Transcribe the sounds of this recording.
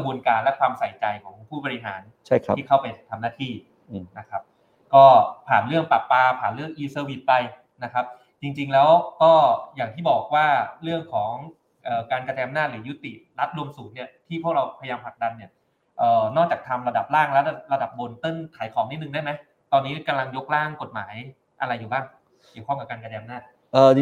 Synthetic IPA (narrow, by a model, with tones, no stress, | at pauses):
buː˧nkaː˧nlɛ˦˥kʰwaː˧msa˨˩˦jt͡ɕa˧jkʰɔː˩˦ŋpʰuː˥˩bɔː˧ɾi˦˥ɦa̰ː˩˦n | t͡ɕʰiː˥˩kʰa˥˩wpa˧jt̪ʰa˧mnaː˥˩t̪ʰiː˥˩ | na˦˥kʰa˦˥p̚ | kɔː˥˩pʰaː˨˩nɾɯ˥˩əŋpa˨˩pːaː˧pʰaː˨˩nɾɯ˥˩əŋʔiː˧sɤː˧wi˨˩t̪̚pa˧j | na˦˥kʰa˦˥p̚ | t͡ɕi˧ŋt͡ɕi˧ŋlɛː˦˥wkɔː˥˩jaː˨˩ŋt̪ʰiː˥˩bɔː˨˩k̚waː˥˩ɾɯ˥˩əŋkʰɔː˩˦ŋ | ʔɤː˨˩kaː˧nka˧tɛː˧a˧mnaː˥˩t̪̚ɾɯː˩˦ju˦˥t̪i˨˩ʔɾa˦˥t̪̚ɾu˧əmsuː˨˩t̪̚ni˥˩ɐt̪ʰiː˥˩u˥˩ək̚ɾa˧wpʰa˧jjaː˧mpʰla˨˩k̚da˧nːi˥˩ɐ | ʔɤː˨˩nɔː˥˩kt͡ɕaː˨˩t̪ʰa˧mɾa˧da˨˩p̚laː˥˩ŋla˦˥˧ɾa˧da˨˩p̚bo˧nt̪ɤ˥˩nt̪ʰaː˩˦jkʰɔː˩˦ŋni˦˥nɯ˨ŋda˥˩jma˦˥j | t̪ɔː˧nːiː˦˥ka˧mla˧ŋjo˦˥k̚laː˥˩ŋko˨˩t̪̚maː˩˦j | ʔa˧ɾa˧jːuː˨˩baː˥˩ŋ | kki˨˩wʰɔ˥˩ŋka˨˩p̚kaː˧nka˧tɛː˧a˧mnaː˥˩t̪̚ | ʔɤː˨˩